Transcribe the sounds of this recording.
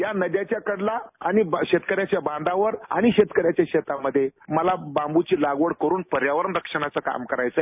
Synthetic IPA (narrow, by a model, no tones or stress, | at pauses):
janəd̪jat͡ɕjakəɽlaa̰niɕet̪kəɾjat͡ɕjabãnd̪aʋəɾa̰ɽ̃iɕet̪kəɾjat͡ɕjaɕet̪aməd̪ʱːjeməlabãmbut͡ɕiːlaɡʋəɽkəɾuːnpəɾjaʋəɾəɳɾəkʂəɳ̃at͡səka̰mkəɾajt͡sə